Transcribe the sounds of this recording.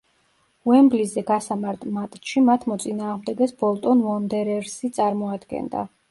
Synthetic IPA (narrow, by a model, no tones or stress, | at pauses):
wɛmblizɛɡasamaɾt̪ʼmat̪ʼʃimat̪ʰmɔt̪sʼinaːʁmd̪ɛɡɛsbɔlˠt̪ʼɔnvɔnd̪ɛɾɛɾsit̪sʼaɾmɔad̪ɡɛ̰nd̪a̰